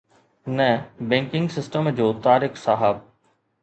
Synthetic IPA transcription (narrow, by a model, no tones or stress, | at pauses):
nɛbɛ̃ːŋkɪ̃ŋɡsɪsʈəmd͡ʑoːt̪aːɾɪxsaɦəb̚